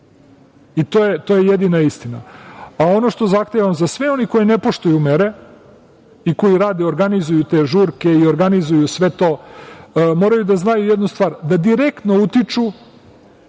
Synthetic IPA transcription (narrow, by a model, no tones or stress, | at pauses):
it̪oːjet̪o̞jejed̪inaist̪ina̰ao̞no̞ʃt̪o̞zaxt̪eʋamzasʋeo̞niko̞jinepo̞ʃt̪ojumeɾe̞ | iko̞jiɾaːd̪eo̞ɾɡanizujut̪e̞ʒuɾke̞io̞ɾɡanizujusʋe̞t̪o̞ː | mo̞ɾajud̪aznajujed̪nust̪ʋaːɾd̪ad̪iɾe̞kt̪no̞ut̪it͡ʃu